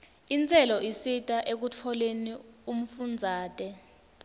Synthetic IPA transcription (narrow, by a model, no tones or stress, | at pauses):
int͡sʼɛlɔisitʼaʔek̬ut͡fʰɔlenium̩fund͡zʱaːtʼɛ